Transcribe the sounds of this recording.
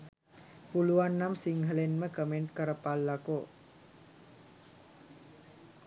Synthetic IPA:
puluanːamsiŋɦəlɛnməkəmɛnkəɾəpalːako

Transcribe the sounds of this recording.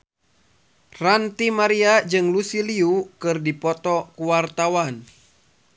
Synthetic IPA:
rant̪imaɾiad͡ʒɨŋlusiliukɨrdipɔt̪ɔkuwart̪awan

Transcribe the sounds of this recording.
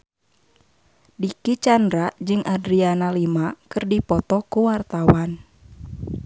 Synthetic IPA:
dikit͡ʃandɾaʔd͡ʒɨŋʔadɾianalimakɨrdipɔt̪ɔkuwart̪awan

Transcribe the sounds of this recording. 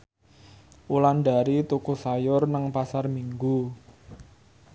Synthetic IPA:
ʔulanda̤ɾit̪ukusajʊrnəŋpasarmiŋɡu

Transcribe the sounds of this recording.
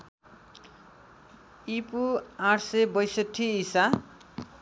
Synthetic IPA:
ipuaʈʰsʌbʌjsʌʈʰːiːsa

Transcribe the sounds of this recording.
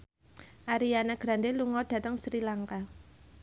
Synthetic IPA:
ʔaɾianaɡ̥ɾa̤nd̪eluŋɔd̥ä̤t̪əŋsɾilaŋka

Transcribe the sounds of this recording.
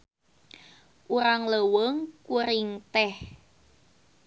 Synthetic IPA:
ʔuɾaŋləwəŋkuɾɪŋt̪ɛh

